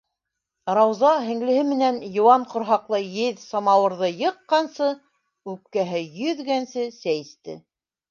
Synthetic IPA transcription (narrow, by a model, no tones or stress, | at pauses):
rɑwzɑɦɘ̆ŋlɘ̆hɘmɘ̆nænjŏwɑɴqŏɾɦɑqlˠɤjɘðsɑmɑwɤ̆ɾðɤjɤ̆qːɑnsɤ | ʉp̚kæɦɘjɵðɡænsɘsæjst̪ɘ̰